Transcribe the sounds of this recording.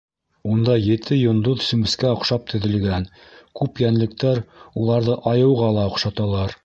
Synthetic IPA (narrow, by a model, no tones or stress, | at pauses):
und̪ɑjɘ̆t̪ʰɘjŏnd̪uðsɵ̆mɘ̆skæŏqʃɑp̚t̪ʰɵ̆ðɘ̆lɡæn | kʉpjænlɘ̆k̚t̪æɾulˠɑɾðɤʔɑjɤ̆wʁɑlˠɑŏqʃɑt̪ɑlˠɑɾ